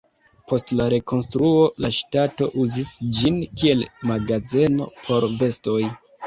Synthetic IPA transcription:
pʰo̞stlaɾe̞kʰo̞nstɾuo̞laʃtato̞ʔuzisd͡ʒinkie̞lmaɡaze̞no̞̰pʰo̞ɾve̞sto̞j

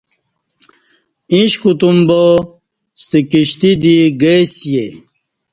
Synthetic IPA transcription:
ĩɕkut̪umbo | st̪ikiɕt̪id̪iɡesje

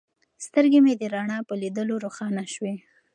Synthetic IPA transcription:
st̪əɾɡemed̪əɾaɳɑpəlid̪əloɾoxɑnaʃwe

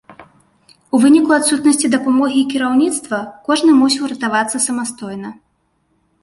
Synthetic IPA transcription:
uvɨnʲikuat̪sut̪nɐsʲt͡sʲid̪ɐpamɔɣʲiːkʲiɾawnʲit̪st̪vɐkɔʐnɨmusʲiwɾɐt̪avat̪sːɐsɐmast̪ɔjnɐ

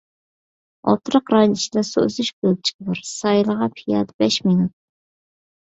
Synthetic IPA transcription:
ɑ̰t̪ʰɨɾəqɾɑnit͡ʃʰid̪ɛsoø̰zyʃɡʲøl̚t͡ʃʰi̥kʲɪbɑɾsɑjlˠəʁɑpʰijɑd̪bɛʃminut̪̚

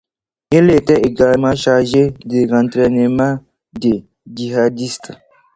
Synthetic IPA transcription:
eletɛeɡamãʃaʒedeɾãntɾɛnemã | de | d͡ʒiɦadist

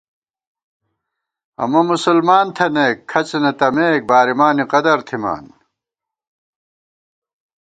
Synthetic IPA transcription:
ɐ̰mɐmusulmaːnt̪ʰɐneːkʰːɐt͡ɕnɐt̪ɐmeːk̚baːɾimaːniqɐd̪ɐɾt̪ʰima̰ːn

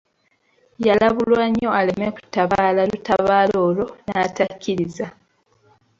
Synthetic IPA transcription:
jalaβulwaɲːo̞aleme̞ku̥tːaβaːlalutaβaːlo̞ːlo̞naːtacːiɾiza

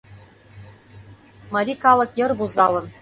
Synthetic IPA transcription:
mɤɾʲikɑlˠɤ̆kjɤ̆rbuzɑlˠɤ̆n

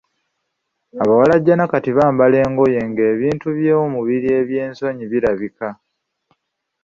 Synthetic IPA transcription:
aβawalaɟːanakatiβaːmbale̞ːŋɡo̞je̞ŋɡe̞ːβiːntuβjeːwomuβiɾie̞βje̞ːnso̞ɲiβiɾaβika

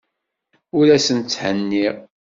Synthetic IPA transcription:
ʊɾæsənt͡sːhənːiʁ

